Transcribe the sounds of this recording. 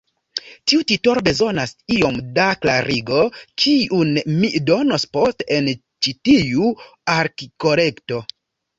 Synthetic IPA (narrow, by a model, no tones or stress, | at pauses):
tiutito̞ɾobe̞zo̞nasio̞mdakla̰ɾiɡo̞kʰiunmido̞nosposten | t͡ʃitijuaɾkiko̞le̞kto̞